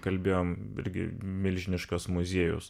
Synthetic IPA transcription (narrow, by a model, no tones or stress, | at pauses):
kɐlʲbʲeːjoːmɪ̰ɾʲɡʲɪ̰mʲɪlʲʒʲɪnʲɪʃkɐsmʊzʲeːjʊ̰s